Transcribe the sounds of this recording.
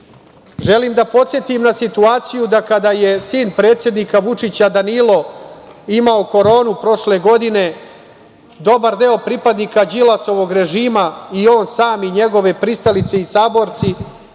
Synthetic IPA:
ʒe̞limd̪apo̞t̪sje̞t̪imnasit̪uaːt̪sijud̪akad̪ajesiːnpɾe̞ːt̪sʲjed̪nikaʋut͡ʂit͡ɕad̪anilo̞ | imaoko̞ɾo̞ːnupɾo̞ʃle̞ɡo̞d̪ine̞ | d̪o̞baɾd̪eopɾipad̪nikad͡ʑilˠaso̞ʋo̞ɡɾe̞ʒiːmaio̞ːnsaːmiɲe̞ɡo̞ʋe̞pɾist̪alit̪se̞isaːbo̞ɾt̪si

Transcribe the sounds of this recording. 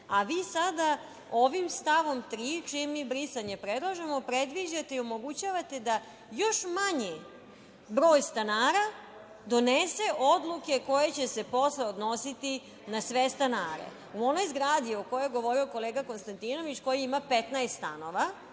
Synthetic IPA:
aʋiːsad̪a | o̞ʋimst̪aʋo̞mt̪ɾiːt͡ʃijemːiːbɾisaɲepɾed̪lˠaʒemo̞pɾed̪ʋiʒat̪e̞iomo̞ɡut͡ɕaʋat̪e̞d̪a | jo̞ʃmaɲi | bɾo̞ːjst̪anaːɾa | d̪o̞neseʔod̪lˠuke̞ko̞je̞t͡ɕe̞se̞po̞sleod̪no̞sit̪i | nasʋest̪anaːɾḛ | uo̞no̞jzɡɾaːd̪ioko̞jojɡo̞ʋo̞ɾio̞ko̞leːɡako̞nst̪ant̪ino̞ʋit͡ɕko̞jiimapet̪najst̪st̪ano̞ʋa

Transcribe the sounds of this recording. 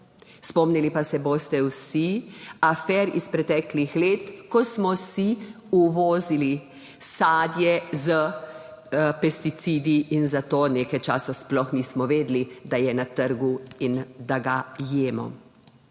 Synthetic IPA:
spɔmnilipasɛboːst̪ɛwsiafɛːɾispɾɛt̪ɛːklixleːt̪kɔsmɔsi | uʋɔːzili | saːd̪jɛzə | pɛst̪it̪sid̪iːnzat̪oːneːkajt͡ʃaːsasplɔxniːsmɔʋeːd̪lid̪ajɛnat̪əɾɡuind̪aɡajeːmɔ̰

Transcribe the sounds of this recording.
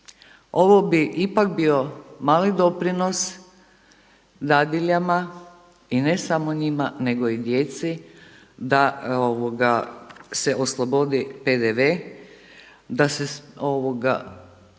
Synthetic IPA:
o̞ʋobiʔipak̚bio̞maːlid̪o̞pɾino̞s | d̪ad̪iʎama | inesamoɲimane̞ɡo̞id̪jet̪si | d̪aoʋoɡase̞ʔoslˠobod̪iped̪eʋe | d̪aseoʋoɡa̰

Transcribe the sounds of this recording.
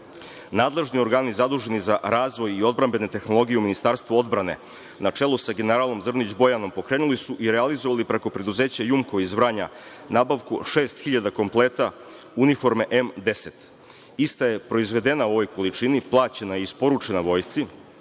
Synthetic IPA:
naːd̪lˠe̞ʒnio̞ɾɡaːnizad̪uːʒe̞nizaɾaːzʋo̞jio̞d̪̚bɾambe̞net̪e̞xno̞lˠo̞ɡijeuminist̪aːɾst̪ʋuo̞d̪bɾane̞̰ | nat͡ʂe̞lˠusaɡe̞neɾaːlˠo̞mzr̩nid͡ʑbo̞jano̞mpo̞kɾeːnulisuʔiɾealizo̞ʋalipɾeko̞pɾe̞d̪uze̞ːt͡ɕajumkoʋizʋɾaːɲa | naːbaʋkuʃeːst̪xiʎad̪ako̞mplˠe̞ːt̪a | unifo̞ɾmeʔemd̪e̞se̞t̪ | ist̪aje̞pɾo̞izʋe̞d̪e̞nauo̞ʋo̞jko̞lit͡ʂiniplˠaːt͡ɕe̞najiispo̞ɾut͡ʃenaʋo̞jt̪si

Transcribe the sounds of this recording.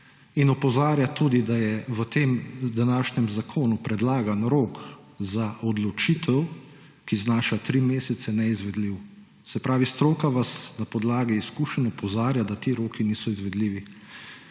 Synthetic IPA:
inɔpɔzaːɾjat̪uːd̪id̪ajɛʋət̪eːmd̪anaːʃnɛmzakʰoːnupɾɛd̪laːɡanɾoːk | zaʔɔd̪lɔt͡ʃit̪ʰɛw | kiznaːʃat̪ɾimeːsɛt̪sɛnɛizʋɛd̪liw | sɛpɾaːʋist̪ɾoːkaʋasnapɔd̪laːɡiiskuːʃɛnɔpɔzaːɾjad̪at̪iɾoːkiniːsɔizʋɛd̪liːʋi

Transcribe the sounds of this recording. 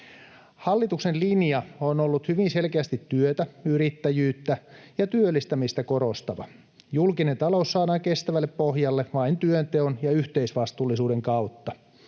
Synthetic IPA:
hɑlːit̪uksenlinjɑonolːut̪hyʋinse̞lkeæst̪it̪ːyøt̪æyɾit̪ːæjyːt̪ːæjɑt̪yølːist̪æmist̪æko̞ɾo̞st̪ɑʋɑ̰ | julkine̞nt̪ɑlousːɑːdɑːŋke̞st̪æʋælːeppohjɑlːeʋɑint̪yønt̪eonjɑyht̪eisʋɑst̪uːlːisuːdeŋkɑut̪ːɑ

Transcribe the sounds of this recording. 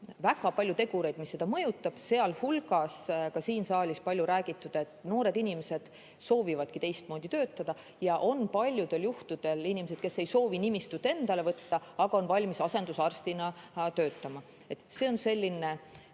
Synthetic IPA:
væɡɑpɑlʲjut̪e̞ɡ̥uɾe̞jd̪misːe̞d̪̥ɑmɤjut̪ːˑɑb̥se̞ɑlhulɡɑskɑsiːnsɑːlʲispɑlʲjuɾæːɡ̥it̪ːˑud̪̥ɑe̞t̪ːˑno̞ːɾe̞d̪inime̞se̞d̪̥ | so̞ːvivɑd̪̥̚kit̪e̞jst̪mo̞ːd̪̥ʲit̪ø̞ːt̪ːˑɑd̪̥ɑ | jɑʔo̞npɑlʲjud̪̥e̞ljuht̪ud̪̥e̞linimese̞d̪̥̚ke̞sejso̞ːvinimist̪ut̪ːˑe̞nd̪̥ɑlevɤt̪ːɑɑɡ̥ɑo̞nvɑlʲmisɑse̞nd̪̥usɑrst̪inɑt̪ø̞ːt̪ːˑɑmɑ | e̞t̪ːˑse̞ːo̞nse̞lʲːine̞

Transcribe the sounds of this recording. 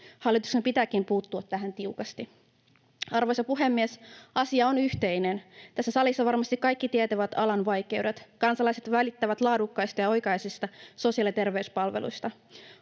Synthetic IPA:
hɑlːˑit̪uksempit̪æːkimpuːt̪ːuɑt̪tːæɦænt̪iukɑst̪i | ɑrʋo̞jsɑpuɦe̞mːiesɑsiɑonyht̪e̞jne̞nt̪æsːæsɑlisːɑʋɑrmɑst̪ikːɑjkːit̪iet̪æʋæt̪ɑlɑnʋɑjk̟e̞uwdet̪kɑnsɑlɑjse̞t̪ʋælit̪ːæʋæt̪lɑːdukːɑjst̪ɑjɑo̞jkɑjsist̪ɑso̞siɑlit̪e̞rʋe̞yspɑlʋelʔṵjst̪ɑ

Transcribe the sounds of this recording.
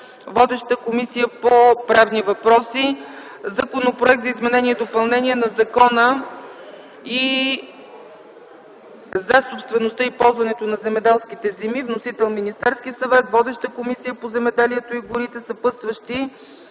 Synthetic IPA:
vɔd̪ɛʃt̪əkomisijəpopɾavnivɐpɾɔsi | zɐkonopɾoɛk̚t̪zɐizmɛnɛniɛd̪opɐlˠnɛniɛnɐzɐkɔnə | i | zɐsopst̪vɛnost̪ɤipɔlˠzvɐnɛt̪onɐzɛmɛd̪ɛlˠskit̪ɛzɛmivnosit̪ɛlˠminist̪ɛɾskiəsɐvɛt̪vɔd̪ɛʃt̪əkomisijəpozɛmɛd̪ɛliɛt̪oiɡʊɾit̪ɛsəpɤst̪vəʃt̪i

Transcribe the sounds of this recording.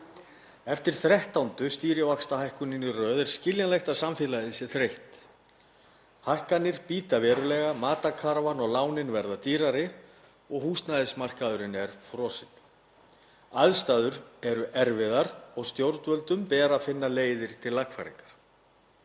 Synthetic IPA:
ɛft̪ɪɾ̥θɾɛht̪awnt̪ʏst̪iːɾjɪvakst̪ahajhkʏnɪnːɪrœːðɛɾ̥scɪljanlɛjxt̪asamfɪːlaðɪsjɛθɾejht̪ | hajhkanːɪɾ̥piːt̪avɛɾʏlɛɣamaːt̪akʰaɾvanɔɣlaːwnɪnvɛɾðat̪iːɾaɾɪ | ɔɣɦuːst̪naðɪsmar̥kaðʏɾɪnɛɾ̥fɾɔsɪn | aðst̪aːðʏɾɛɾʏʔɛɾvɪðaɾɔɣst̪jowɾt̪vœlt̪ʏmpɛːɾafɪnːaleːjðɪɾ̥t̪ʰɪlːakfa̰ɾḛŋkḁɾ̥

